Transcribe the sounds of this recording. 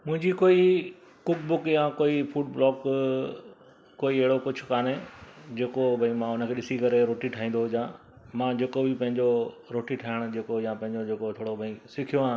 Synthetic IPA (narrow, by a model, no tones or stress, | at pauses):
mʊ̃ɦɪ̃ɲd͡ʑikoːi | kʊk̚bʊkjãkoːifuːɖblɔːk | koːiɐɦɪɽokʊd͡ʑʰʊ̥̆kaːneːd͡ʑeːkobʱɐĩmãʊnəkʰeːɗɪsikɐɾeɾoːʈiʈʰaːɦĩːnd̪oɦʊd͡ʑãː | mãːd͡ʑeːkobipɐ̃ɦɪ̃ɲd͡ʑo | ɾoːʈiʈʰaːɦɪɽ̃ʊ̆d͡ʑeːkojãpɐ̃ɦɪ̃ɲd͡ʑod͡ʑeːkot̪ʰoːɽobʱɐĩsɪkʰijoãː